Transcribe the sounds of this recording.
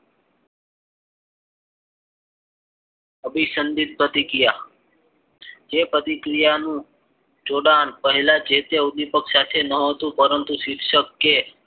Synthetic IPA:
əbʱisənd̪id̪̚bət̪ikija | epət̪ikɾijanũ | d͡ʒoɽanpəɦɛlad͡ʒet̪eud̪ipəksat̪ʰenəɦət̪ũpəɾənt̪usid̪ʱʃəkːe

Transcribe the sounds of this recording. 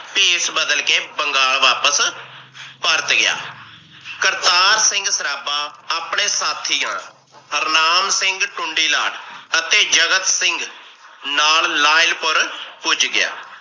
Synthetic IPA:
piːsbəd̪əlkeːbəŋɡaːɭʋaːpəs | pəɾt̪ɡɪja̰ː | kəɾt̪aːɾsɪ̃ŋɡsəɾaːbaːaːpɳeːsaːt̪ʰiːã̰ː | ɦəɾnaːmsɪŋɡʈʊɳɖiːlaːʈʰət̪eːd͡ʒəɡət̪sɪŋɡnaːllaːɪlpəɾpʊt͡ʃɡɪja̰ː

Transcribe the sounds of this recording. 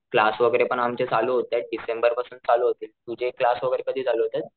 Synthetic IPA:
klasʋəɡəɾepəɳamt͡ɕet͡saluːɦot̪aɖisembəɾpasuːnt̪̚t͡saluːɦot̪iːlt̪ud͡ʑʱeklasʋəɡəɾekəd̪ʱiːd͡zʱaluɦot̪at̪̚

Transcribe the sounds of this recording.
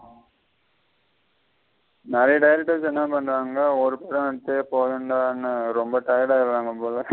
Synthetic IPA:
nɪɾɐjɐɖɐjɾɪʈːesɛnːapɐɳɾaːŋɡɐɔɾɯpɛɽɐ̃ɛɽɐt̪ːepoːðɯɳɖaːɐnːɯɾɔmbɐʈɐjɐɽaːɪɾɾaːŋɡɐpoːlɐ

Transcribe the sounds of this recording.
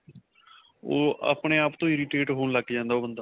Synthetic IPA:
o̰ːʔa̰ːpɳeːaːpt̪õːɪɾɪʈeːʈɦoːnləɡd͡ʒãːnd̪aːoːbənd̪aː

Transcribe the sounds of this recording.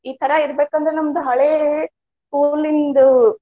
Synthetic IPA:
iːt̪ʰɐɾɐiɾɐbeːkuɐnd̪ɾenɐmːɐd̪ɐɦɐɭeː | kuːlind̪u

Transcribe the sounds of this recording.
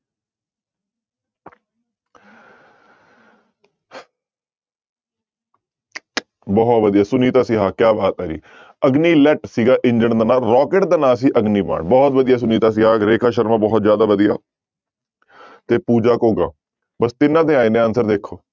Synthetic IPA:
bɔːt̪ʋəd̪ijaːsʊniːt̪aːsiːɦaːkjaːbaːt̪ɛːɾḭː | əɡniːlɛʈsiːɡaːʔɪɲd͡ʒəɳd̪aːnaːlɾɔːkeʈd̪aːnaːs̬iːʔəɡniːpa̰ːɳbɔːt̪ʋəd̪ɪjaːs̬ʊniːt̪aːs̬iːɦaːɾeːkʰaːʃəɾmãːbɔːt̪zjaːd̪aːʋəd̪ija̰ː | t̪eːpuːd͡ʒaːkoːɡa̰ː | bəst̪ɪnãːd̪ẽːaːiːnẽːənsəɾd̪eːkʰːoː

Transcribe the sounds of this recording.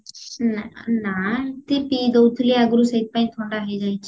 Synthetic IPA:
nnat̪epiːd̪oːt̪ʰliəɡɾusəit̪̚pãĩːt̪ʰoːɳɖaɦed͡ʒaːit͡ʃ

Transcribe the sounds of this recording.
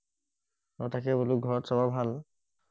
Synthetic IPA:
ɔtakɛboluk̚ɡʱɔɹɔtsɔbabʱal

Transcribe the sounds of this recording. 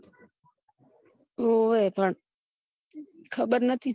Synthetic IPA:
oepəɳ | kʰəɓəɾnət̪ʰi

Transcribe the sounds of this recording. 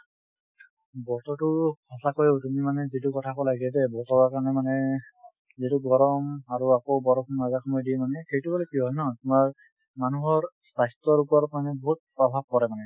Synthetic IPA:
bɔtɔtʊhɔsakojetumimanɛzitukɔtʰakɔlaɡɛtɛbɔtɔwaɹkaɹnɛmanɛ | zituɡɔɹɔmaɹuakowbɔɹɔkʰɔnnazakʰɔmɔjdimanɛxejtubɔlɛkiɦɔjnɔtumaɹ | manuɦɔɹsajstɔɹupɔɹɔtmanɛbɔɦut̚pɹɔbʱab̚kɔɹɛmanɛ

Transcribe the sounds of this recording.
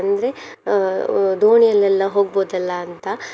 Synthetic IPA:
ɐnd̪ɐɾe̞ | d̪oːɳijɐlːɛlːɐɦoːɡ̚boːd̪ɐlːɐːnt̪ɐ

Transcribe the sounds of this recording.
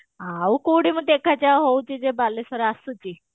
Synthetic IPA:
ɦaukoɽiməɡ̚t̪ekʰat͡ɕjaɦowt͡ɕid͡ʑebalːesəɾasut͡ɕi

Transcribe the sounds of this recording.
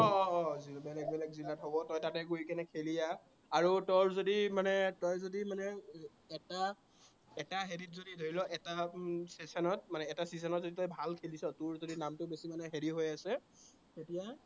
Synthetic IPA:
ɔɔzibɛlɛk̚bɛlɛkzilatɦobɔtɔjtatɛɡojkɛnɛkʰelija | aɹutɔɹzodimanɛtɔjzodimanɛ | ɛta | ɛtaɦeɹitzodidʱoɹilɔʔɛtasesɔnɔt̚manɛːtasisɔnɔtzoditɔjbʱalkʰelisɔtʊɹzodinamtʊbesimanɛɦeɹiɦojasɛ | tetija

